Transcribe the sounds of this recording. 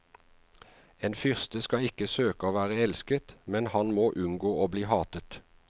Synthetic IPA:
eːnfʏʁst̪əskɑɪkəsøːkəoːʋæːʁəɛlskət̪mɛnhɑnmoːʔʉnɡoːoːbliːhɑːt̪ət̪

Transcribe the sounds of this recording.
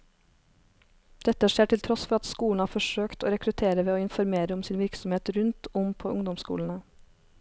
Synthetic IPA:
d̪̥ɛt̪əʂeːʈɪlt̪ʰɾɔsfɔɾɑt̪skuːlɳ̩hɑːɾfɔʂøːkt̪o̰ːɾɛkɾʉt̪ʰeːɾəʋeːoːɪnfɔɾmeːɾəʊmsiːnʋɪɾksɔmheːt̪ɾʉnt̪ʰʊmpʰoːʔʊŋd̪ɔmskṵːln̩ə

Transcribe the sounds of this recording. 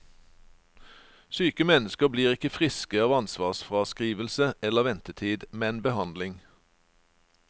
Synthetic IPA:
syːkəmɛnəskəʁbliːʁɪkəfʁɪskəɑːʋɑnsʋɑːʁsfʁɑːskʁiːʋəlsəɛləʁʋɛnt̪ət̪ʰiːd̪mɛnbəhɑnd̪lɪŋ

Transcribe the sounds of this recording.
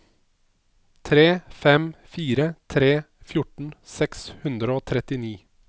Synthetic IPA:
t̪ʰɾeːfɛmfiːɾət̪ʰɾeː | fjʊʈɳ̩sɛkshʉnd̪ɾəoːt̪ʰɾɛt̪ɪniː

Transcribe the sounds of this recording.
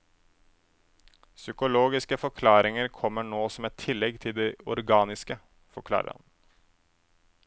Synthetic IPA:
sʏkʊloːɡɪskəfɔkʰlɑːɾɪŋəɾkʰɔmːəɳoːsɔmɛt̪ʰːɪlːɛɡt̪ʰɪld̪ɛɔɾɡɑːnɪskə | fɔɾkʰlɑ̰ːɾə̰ɾhɑ̰n

